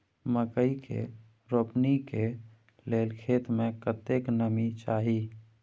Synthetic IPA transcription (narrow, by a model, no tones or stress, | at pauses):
məkəikʰḛ | ɾopnike | lelkʰet̪mekət̪eknəmit͡ʃaːɦi